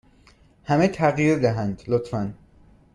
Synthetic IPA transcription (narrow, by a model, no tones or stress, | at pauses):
hæmet̪ʰæɣjiɾd̪æɦænd̪lot̪fæn